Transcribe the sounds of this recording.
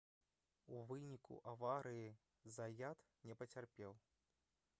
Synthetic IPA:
uvɨnʲikṵʔavaɾɨji | zajat̪ | nʲɛpɐt͡sʲarpʲɛw

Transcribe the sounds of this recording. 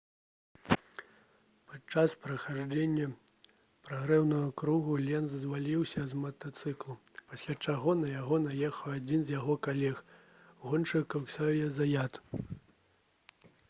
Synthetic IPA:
pat͡ʂːaspɾɐxaʐd͡ʒenʲːɐ | pɾaɣɾɛwnɐɣɐkɾuɣulʲɛnzzvalʲiwsʲɐzmɐt̪ɐt̪sɨklˠu | pasʲlʲat͡ʂaɣɔnɐjaɣɔnajɛxɐwad͡zʲinzʲjaɣɔkalʲɛx | ɣɔnt͡ʂɨkɐwsʲajɛzajat̪

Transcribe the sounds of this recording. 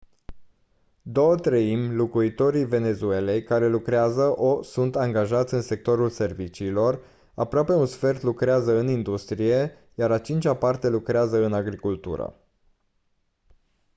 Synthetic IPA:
d̪o̞wət̪ɾəimlukuit̪o̞ɾive̞ne̞zue̞le̞jkaɾe̞lukɾeazəʔosunt̪aŋɡaʒat̪sʲɨnse̞k̚t̪o̞ɾulse̞rvit͡ʃiːlo̞r | a̰pɾoape̞unsfe̞rt̪lukɾeazəɨnind̪ust̪ɾije̞ | jaɾat͡ʃint͡ʃapart̪e̞lukɾeazəɨnaɡɾikult̪ṵɾə̰

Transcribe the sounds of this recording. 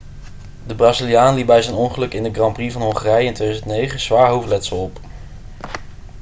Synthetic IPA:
dəbraːzilijaːnlibɛjzɛjnɔŋχəlɵkɪndəɡrɑmprivɑnɦɔŋχarɛjəɪntʋejdzəntnejχəz̥ʋaːɹɦowflɛtsəlˠɔp

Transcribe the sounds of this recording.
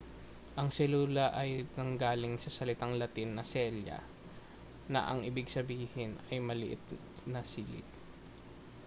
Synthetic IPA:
ʔɐŋsɛluːlɐʔɐjnɐŋɡaːlɪŋsɐsɐlɪt̪aŋlɐt̪ɪnːɐsɛljɐ̰ | nɐ̰ʔɐŋʔɪbɪɡsɐbiːhɪnɐjmɐlɪʔɪ̰t̪ | nɐsiːlɪ̰t̪̚

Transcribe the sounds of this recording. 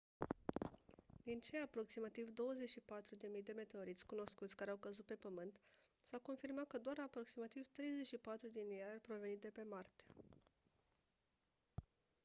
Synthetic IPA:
d̪̥int͡ʃe̞apɾo̞ksimat̪ivd̪o̞wəze̞ʃipat̪ɾud̪e̞mijd̪e̞me̞t̪e̞o̞ɾit̪sʲkuno̞skut̪sʲkaɾeawkəzut̪̚pe̞pəmɨnt̪ | sawko̞nfirmat̪̚kəd̪oaɾapɾo̞ksimat̪ivt̪ɾe̞jze̞ʃipat̪ɾud̪imiaarpɾo̞ve̞nit̪̚d̪e̞pe̞mart̪a

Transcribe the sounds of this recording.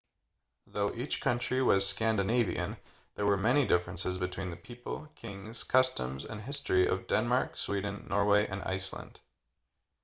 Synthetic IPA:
ðoʊʔit͡ʃkʰʌ̃nt͡ʃɹ̥iwʌz̥skæ̃ndɨneɪvḭʔɨ̰̃n | ðə˞wə˞mɛñidɪfɹɨ̃nsɨzbɨtʰw̥ĩnðɨpʰipəl̩ˠkʰɪ̃ŋz̥kʰʌstə̰̃mzɨ̰̃nɦɪstɹ̥iʔʌ̰vdɛ̃nmɑɹkswidⁿn̩ːɔ̰ɹweɪʔɨ̰̃na̰ɪslə̰̃nd̥

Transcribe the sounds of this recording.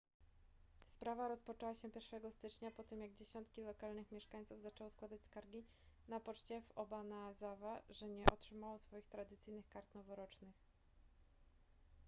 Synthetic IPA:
spɾavaɾɔspɔt͡ʂɛwaɕɛpʲjɛɾfʂɛɡɔst̪ɘt͡ʂɲapɔt̪ɘmjaɡd͡ʑeɕɔnt̪kʲilɔkalnɘxmʲjɛʂkaɲ̃t̪suvzat͡ʂɛwɔskwad̪at͡ɕʲskaɾɡʲi | napɔt͡ʂt͡ɕɛvɔbanaːzavaʐɛɲɛʔɔtʂɘmawɔsfɔjixt̪ɾad̪ɘt̪sɘjnɘxkaɾt̪nɔvɔɾɔt͡ʂnɘx

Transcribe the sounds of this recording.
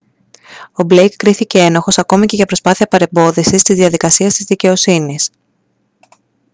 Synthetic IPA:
o̞blejkːɾiθice̞e̞noxo̞sɐko̞mice̞ʝɐpɾo̞spɐθiɐpɐɾe̞mbo̞ðisist̪izðiɐðikɐsiɐst̪izðice̞o̞sinis

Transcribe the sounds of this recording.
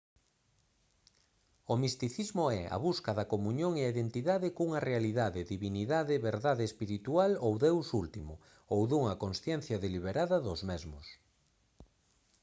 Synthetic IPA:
omist̪iθizmʊɛɐ̰βuskɐðɐkomuɲoŋeaiðent̪iðaðɪkuŋɐrealiðaðɪðiβiniðaðɪβeɾðaðeːspiɾit̪ualowðewsult̪imʊ | owðuŋɐkonsθjɛn̟θjɐðeliβeɾaðɐðʊzmɛzmʊs

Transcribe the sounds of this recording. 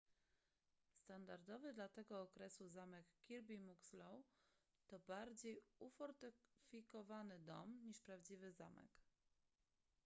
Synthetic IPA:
st̪and̪aɾd̪ɔvɘd̪lat̪ɛɡɔːkɾɛsuzamɛkːʲiɾbʲimukslɔw | t̪ɔbaɾd͡ʑejufɔɾt̪ɘfʲikɔvanɘd̪ɔmɲiʂpɾavd͡ʑivɘzamɛ̰k

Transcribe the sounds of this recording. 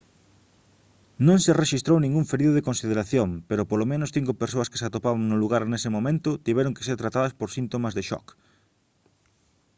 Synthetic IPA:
nõŋsereʃist̪ɾownĩŋɡuɱfeɾiðʊð̞ekonsið̞eɾaθjompeɾʊpolomẽnoʊsθiŋkopeɾsoɐske̥sat̪opaβaŋnʊluɣaɾnesɪmõmẽnt̪ʊt̪iβɛɾoŋke̥seɾt̪ɾat̪aðɐspoɾsint̪omɐzðeʃɔ̰k

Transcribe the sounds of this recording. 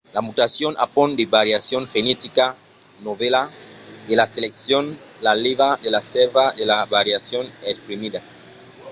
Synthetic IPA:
lamut̪asjonʔa̰pond̪eβaɾjasjoŋxenet̪ika | noβelaðelaseleksjonlaliβad̪elaseɾβaðelaβaɾjasjonekspɾimiða

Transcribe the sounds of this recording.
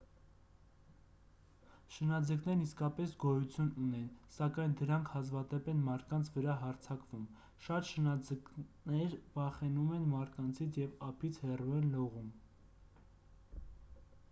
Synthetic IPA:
ʃənɑd͡zəknɛɾniskɑpɛsɡɔjut͡sʰjununɛnsɑkɑjnd̪əɾɑŋkʰhɑzvɑd̪ɛpɛnmɑɾt̪̚kɑnt͡sʰvəɾɑɦɑɾt͡sʰɑkvum | ʃɑt̪ʃənɑd͡zəknɛɾvɑχɛnumɛnmɑɾt̪̚kɑnt͡sʰit͡sʰjɛvɑpʰit͡sʰhɛruɛnlɔʁum

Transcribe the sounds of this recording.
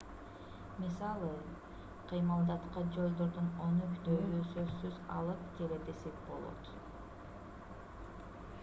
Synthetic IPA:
misɑlˠɯ | qʰɯjmɑlˠd̪ɑt̪qɑd͡ʒo̞lˠd̪o̞ɾd̪unonøkt̪øːysøsːyzɑ̰lˠɯpke̞led̪e̞se̞p̚bo̞̰lˠo̰t̪

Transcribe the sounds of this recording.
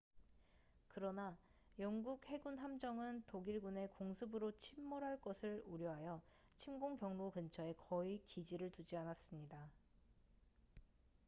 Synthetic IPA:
kɯɾʌna | jʌŋɡuk̚he̞ɡunɦamd͡ʑʌŋɯntoɡiɭɡune̞koŋsʰɯbɯɾot͡ɕʰimːoɾɦaɭk͈ʌsʰɯɭuɾjʌɦajʌ | t͡ɕʰimɡoŋkjʌŋnokɯnt͡ɕʰʌe̞kʌikid͡ʑiɾɯɭtud͡ʑianas͈ɯmɲida

